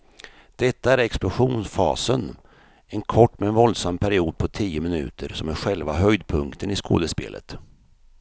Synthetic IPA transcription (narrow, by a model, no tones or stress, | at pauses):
d̪̥ɛt̪ːaæɾɛksplʊɧuːnsfɑ̰ːsən | ɛnkʰɔʈːmɛɛnvɔld̪samːpʰæɾɪuːd̪̚pʰɔt̪ʰiːʊmɪnʉ̟̰ːt̪ʰəɾsɔmæɾɧɛlvaɦœjd̪pʰɵŋkt̪ʰənɪsko̰ːd̪əspḛːlʔə̰t̪